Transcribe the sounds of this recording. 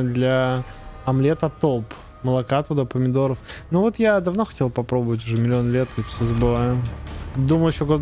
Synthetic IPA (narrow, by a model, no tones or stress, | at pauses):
d̪lʲa | ɐmlʲet̪ət̪op | məlˠɐkat̪ʊd̪ɐpəmʲɪd̪o̞ɾəfnuvo̞t̪jad̪ɐvno̞xɐ̥tʲe̞lˠpɐpɾo̞bəvət̬ʲʊʐɛmʲɪlʲɪo̞nlʲet̪ɨfsʲozəbɨvajʊd̪uməjɪɕːoɡo